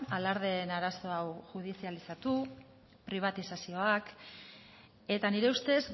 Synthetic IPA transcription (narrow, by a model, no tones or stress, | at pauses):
alaɾðe̞naɾaso̞awʝuð̞isialisat̪u | pɾiβ̞at̪isasio̞ak | e̞t̪aniɾe̞ust̪e̞z